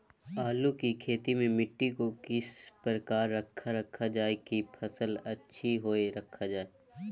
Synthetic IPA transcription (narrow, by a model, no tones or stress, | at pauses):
aːlukikʰeːt̪imẽmɪʈːikokɪspɾəkaːɾːɐkʰːaɾɐkʰad͡ʒaːekipʰɐsəlɐtːʃʰiɦoːeɾɐkʰːad͡ʒaːe